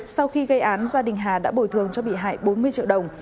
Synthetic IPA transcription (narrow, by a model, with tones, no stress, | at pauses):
sa˧wxi˧ɣə˧jʔaː˨˦nzaː˧ɗï˨˩ŋ̟ɦaː˨˩ɗa̰ː˧˥ɓo˨˧˩jt̪ɨ˨˩əŋt͡ɕɔ˧ɓḭ˧˨ɦa̰ː˧˨jɓo˨˦nmɨ˧ət͡ɕḭ˧˨əwɗə˨˩wŋ͡m